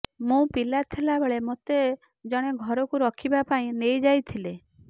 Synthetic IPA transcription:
mũpilat̪ʰelabeɭemot̪e | d͡ʒɔɽ̃eɡʱɔɾɔkuɾɔkʰibapaĩnejd͡ʒajt̪ʰile

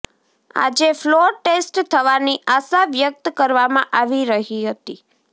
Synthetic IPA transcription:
a̰d͡ʒefloɾʈesʈt̪ʰəʋaniʔasaʋjək̚t̪kəɾʋamãʔaʋiɾəɦiɦət̪i

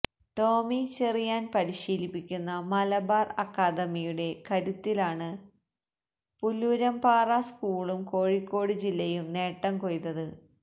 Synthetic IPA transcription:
ʈo̞ːmit͡ɕerijaːnpɐɾiɕiːlipːikʲːunːɐmɐlɐbaːrɐkːaːd̪ɐmijuɽe̞kɐɾut̪ːilaːɳɨ | puluɾɐmpaːraskuːɭumko̞ːɻikːo̞ːɽɨd͡ʑilːɐjumne̞ːʈːɐmko̞ɻit̪ːɐðɨ

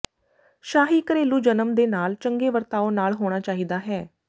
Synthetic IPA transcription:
ʃaːɦiːkəɾeːluːd͡ʒənəmd̪eːnaːlt͡ʃəŋɡeːʋəɾt̪aːoːnaːlɦoːɽ̃aːt͡ʃaːɦiːd̪aːɦɛː

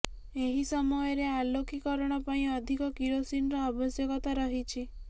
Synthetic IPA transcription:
eɦisɔmɔjɔɾealokikɔɾɔɽ̃ɔpaĩɔd̪ʱikɔkiɾosinɔɾɔabɔsjɔkɔt̪aɾɔɦit͡ʃʰi

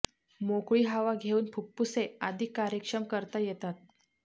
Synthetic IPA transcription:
mokɭiːɦaʋaɡʱeuːnpʰupːusead̪ʱikːaɾjəkʂəmkəɾt̪ajet̪at̪̚

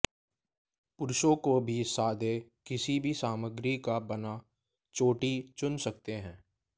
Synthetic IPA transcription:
pʊɾʊʃõkobʱisaːd̪ekɪsibʱisaːməɡɾikabɐna | t͡ʃoːʈit͡ʃʊnsɐk̚t̪eɦɛ̃ː

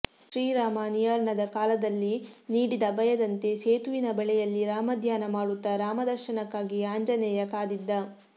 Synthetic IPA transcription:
ʃɾiːɾaːmaːnijɐɾɳɐd̪ɐkaːlɐd̪ɐlːiniːɽid̪ɐbɐjɐd̪ɐnt̪e̞seːt̪uʋinɐbɛɭɛjɐlːiɾaːmɐd̪ʱjaːnɐmaːɽut̪ːɐɾaːmɐd̪ɐɾʃɐnɐkːaːɡiaːɲd͡ʒɐnɛːjɐkaːd̪id̪ːɐ

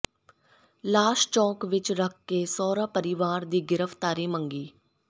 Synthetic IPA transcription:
laːʃt͡ʃɔ̃ːkʋɪt͡ʃɾəkʰːeːsɔːɾaːpəɾɪʋaːɾd̪iːɡɪɾəpʰt̪aːɾiːməŋɡiː

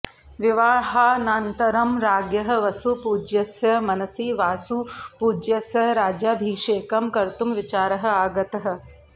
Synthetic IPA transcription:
ʋɪʋaːɦaːnaːnt̪ɐɾɐmɾaːɡjɐɦɐ̆ʋɐsupuːd͡ʒjɐsjɐmɐnɐsiːʋaːsupuːd͡ʒjɐsjɐɦɾaːd͡ʒabʱiːʃeːkɐmkɐɾt̪umʋɪt͡ʃaːɾɐɦɐ̆aːɡɐt̪ɐɦɐ̆

